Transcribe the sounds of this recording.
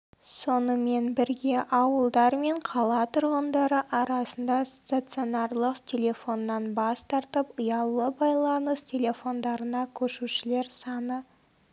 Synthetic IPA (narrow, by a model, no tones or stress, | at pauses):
so̞nəme̞nbɪɾɡʲe̞ʔɑwəlˠd̪ɑɾme̞ɴqʰɑlˠɑt̪ʰʊɾʁənd̪ɑɾəʔɑɾɑsənd̪ɑst̪at̪sɨonɑɾlˠəqt̪ʲʰe̞lʲe̞fo̞nːɑnbɑst̪ɑɾt̪əpʊjɑlˠəbɑjlˠɑnəst̪ʲʰe̞le̞fo̞nd̪ɑɾənɑkʲʰɵʃuʃɪle̞ɾsɑnə